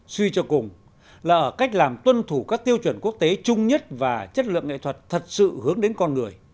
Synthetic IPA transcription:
swi˧t͡ɕɔ˧kʊ˨˩ŋ͡m | laː˨˩ʔəː˧˩ka˦˥jk̟̚laː˨˩mt̪wə˧nt̪ʰu˧˩kaː˦˥k̚t̪i˧əwt͡ɕwə˧˩nku˦˥ək̚t̪e˨˦t͡ɕʊ˧ŋ͡mɲə˦˥t̚vaː˨˩t͡ɕə˦˥t̚lɨ̰˧˨əŋḛ˧˨t̪ʰə˨˩t̚t̪ʰə˨˩t̚sɨ̰˧˨hɨ˨˦əŋɗe˨˦nkɔ˧nŋɨ˨˩əj

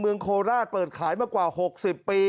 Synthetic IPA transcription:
mɯ˧əŋkʰoː˧ɾaː˥˩t̪̚pɤː˨˩t̪̚kʰaː˩˦jmaː˧kwaː˨˩ho˨˩k̚si˨˩pːiː˧

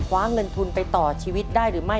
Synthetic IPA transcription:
kʰwaː˦˥ŋɤ˧nt̪ʰu˧npa˧jt̪ɔː˨˩t͡ɕʰiː˧wi˦˥t̪̚daː˥˩jɾɯː˩˦ma˥˩j

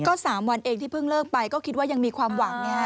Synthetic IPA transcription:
kɔː˥˩saː˩˦mwa˧nʔeː˧ŋt̪ʰiː˥˩pʰɯ˥˩ŋlɤː˥˩k̚pa˧jkɔː˥˩kʰi˦˥t̪̚waː˥˩ja˧ŋmiː˧kʰwaː˧mwa˩˦ŋ˧˦˥

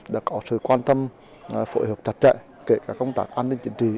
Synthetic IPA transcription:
ɗa̰ː˧˥kɔ˨˦sɨ̰˧˨kwaː˧nt̪ə˧m | fo˧˦jɦəː˨˩p̚t͡ɕa˨˩˥t̚t͡ɕɛ̰˧˨ | ke˨˦kaː˧˩kə˧wŋ͡mt̪aː˦˩k̚ʔaː˧nːï˧ŋt͡ɕï˨˦ŋ̟t͡ɕi˧˩˨

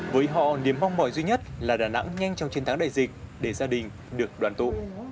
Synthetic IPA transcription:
vəː˨˦jɦɔ̰˧˨ni˨˩əmːa˧wŋ͡mmɔ˨˩jzwi˧ɲə˦˥t̚laː˨˩ɗaː˨˩na̰˧˥ŋɲa˧jŋ̟t͡ɕɔ˧wŋ͡mt͡ɕe˧nt̪aː˨˦ŋɗaː˧˨jzï˨˩k̟̚ɗe˧˩zaː˧ɗï˨˩ŋ̟ | ɗɨ˨˩ək̚ɗwaː˨˩nt̪ṵ˧˨

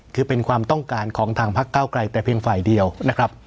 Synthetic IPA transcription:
kʰɯː˧pe˧nkʰwaː˧mt̪ɔ˥˩ŋkaː˧nkʰɔː˩˦ŋt̪ʰaː˧ŋpʰa˦˥kːaː˥˩wkla˧jt̪ɛː˨˩pʰi˧əŋfaː˨˩jdi˧əwna˦˥kʰɾa˦˥p̚

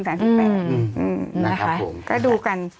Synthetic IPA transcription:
nsaː˨˦nsʰa˧˩˧ʔɯː˧˩m˧˩˦ | kɔː˥˩duː˧ka˧n

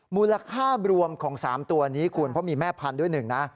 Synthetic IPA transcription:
muː˧la˧kʰaː˥˩ɾu˧əmkʰɔː˩˦ŋsaː˩˦mt̪u˧ɐniː˦˥kʰuː˧npʰɾɔ˦˥miː˧mɛː˥˩pʰa˧ndu˥˩əjnɯ˨˩ŋna˦˥

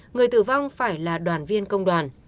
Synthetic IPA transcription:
ŋɨ˨˩əjt̪ɨ̰˧˩va˧wŋ͡mfaː˧˩jlaː˨˩ɗwaː˨˩nvi˧ənkə˧wŋ͡mɗwaː˨˩n

